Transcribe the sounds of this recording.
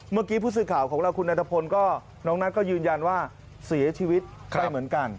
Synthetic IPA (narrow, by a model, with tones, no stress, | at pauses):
maː˥˩kiː˦˥pʰuː˥˩s̬ɯː˨˩kʰaː˨˩wkʰɔː˩˦ŋɾa˧wkʰu˧nːʔaː˧t̪ʰa˧pʰo˧nkɔː˥˩ | nɔː˦˥ŋna˦˥kɔː˥˩jɯː˧nja˧nwaː˥˩ | si˨˩˦ɐ˦t͡ɕʰiː˧wi˦˥t̪̚aː˧˩jmɯ˩˦ənka˧n